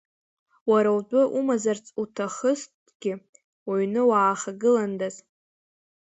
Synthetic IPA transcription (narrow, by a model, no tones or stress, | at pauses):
waɾawdʷʼʊʔumazart͡sʼutʰaχəst | ɡ̥ʲɪ | waɥnɨwaːχaɡɨlandaz